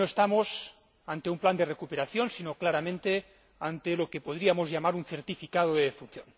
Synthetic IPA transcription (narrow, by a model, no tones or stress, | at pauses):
noest̪amos | ant̪eumpland̪erekupeɾaθjo̞nsinoklaɾamẽnt̪e | ant̪elo̞kepoðɾiamozʝamaɾunθeɾt̪ifikað̞oðeðefun̟θjon